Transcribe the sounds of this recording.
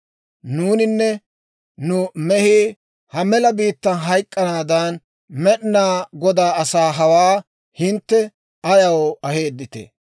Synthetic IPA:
nuːnɪnːɛ | nʊmɛhiː | hɐmɛlɐbiːt̪ːɐnɦɐjkʼːɐnaːd̪ɐn | mɛɗnaːɡɔd̪aːɐsaːɦɐwaː | hɪnt̪ːɛ | ɐjɐwɐheːd̪ːɪt̪ḛ

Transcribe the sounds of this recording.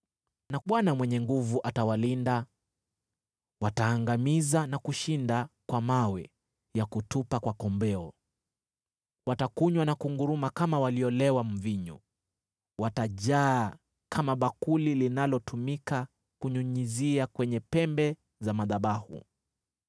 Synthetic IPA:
naɓwanamwɛɲɛŋɡuvuʔatawalinda | wataːŋɡamizanakuʃindakwamawɛ | jakutupakwakɔmbɛɔ | watakuɲwanakuŋɡuɾumakamawaliɔlɛwam̩viɲṵ | wataʄaː | kʰamaɓakulilinalɔtʰumika | kuɲuɲiziakwɛɲɛpɛmbɛ | zamaðaɓahṵ

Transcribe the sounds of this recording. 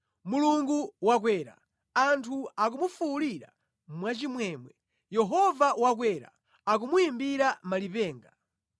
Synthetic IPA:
muluŋɡuwak̬wɛːɾa̰ | antʰuak̬umufuːliɾa̰ | mwat͡ʃimwɛːmwɛ | jɛɦɔvawak̬wɛɾa̰ | ak̬umujimbiɾamalipɛːŋɡa

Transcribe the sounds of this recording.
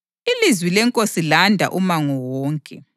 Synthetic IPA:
ilizwilɛŋkʼosilandʱa̰ʔumaŋɔwɔːŋkʼɛ

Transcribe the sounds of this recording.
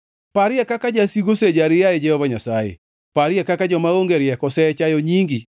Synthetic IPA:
paɾɪɛkakad͡ʒasiɡosed͡ʒaɾɪjaɛd͡ʒɛhɔvaɲasajḛ | paɾɪɛkakad͡ʒɔmaoŋɡeɾɪjɛkɔsɛt͡ʃajɔɲiŋɡi

